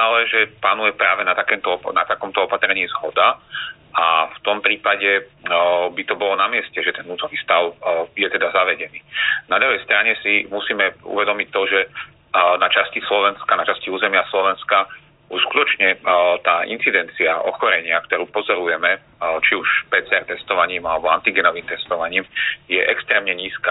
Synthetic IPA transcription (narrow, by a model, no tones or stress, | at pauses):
alɛʒɛpanujɛpɾaːʋɛnat̪akɛmt̪ɔɔna̰t̪akɔmt̪ɔɔpat̪ɾɛɲiːzɦɔd̪a | aft̪ɔmpɾiːpaɟɛ | bit̪ɔbɔlɔnamɪɛscɛʒɛt̪ɛnnuːt̪ɔniːst̪aʊjɛt̪ɛd̪azaʋɛɟɛniːnad̪ɾuɦɛjst̪ɾaɲɛsimusiːmɛṵʋɛd̪ɔmict̪ːɔʒɛ | nat͡ʃascislɔʋɛnskanat͡ʃasciuːzɛmɪaslɔʋɛnska | uʃskut̪ɔt͡ʃɲɛt̪aːʔḭnt͡sid̪ɛnt͡siaʔɔ̰xɔɾɛɲɪakt̪ɔɾuːpɔzɔɾujɛmɛ | t͡ʃiuʃpɛːt͡sɛɛɾt̪ɛst̪ɔʋaɲiːmalɛbɔant̪iɡɛnɔʋiːmt̪ɛst̪ɔʋaɲiːmjɛʔɛkst̪ɾɛːmɲɛɲiːska